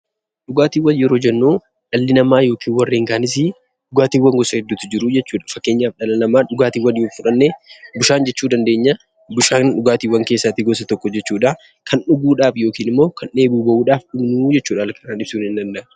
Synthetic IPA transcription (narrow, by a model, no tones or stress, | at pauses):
ɗʊɡaːt̪iːwːɐnjɛɾo̞ːd͡ʒɛnːuː | ᶑɐlːɪnɐmaːjo̞ːkiːnwɐrːeːŋkaːnɪs̬ɪ | ᶑʊɡaːt̪iːwːɐŋɡɔsɐhɛd̪ːʊt̪ːɪd͡ʒɪɾʊd͡ʒɛt͡ʃːuːᶑɐ̥fɐkːe̞ːɲːaːfᶑɐlɐnɐmaːᶑʊɡaːt̪iːwɐnjoːfʊᶑɐnːebʊʃaːnd͡ʒɛt͡ʃːuːd̪ɐnd̪e̞ːɲːɐ | bʊʃaːnᶑʊɡaːt̪iːwːɐŋkeːsːaːt̪ɪɡɔsɐt̪ɔkːɔd͡ʒɛt͡ʃːuːᶑa | kʰɐnᶑʊɡuːᶑaːfjo̞ːkiːnɪmːo̞ːkʰɐne̞ːbuːbɐʔuːᶑaːfᶑʊbnuːd͡ʒɛt͡ʃːuːᶑalɐkɐnaːnɪbsuːnɪnd̪ɐnd̪ɐ